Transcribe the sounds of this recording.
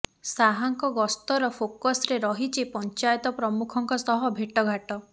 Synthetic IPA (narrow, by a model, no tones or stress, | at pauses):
saɦaŋkɔɡɔst̪ɔɾɔpʰokɔsɾeɾɔɦit͡ʃʰipɔnt͡ʃajɔt̪ɔpɾɔmukʰɔŋkɔsɔɦɔbʱeʈɔɡʱaʈɔ